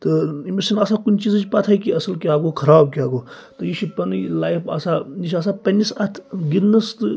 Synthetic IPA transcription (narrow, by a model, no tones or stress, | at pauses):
t̪ɨimeɾsɐnaːsaːkunʲt͡ʃizɨt͡ʃpat̪ʰaːjikiɐsɐlkʲjaːɡoːkʰɐɾaːb̚kʲaːɡoː | t̪ɨjiʃipɐnɨlaːjpʰa̰sajiʃʲaːs̬apɐnʲːisɐt̪ʰɡidnːɐst̪ɨ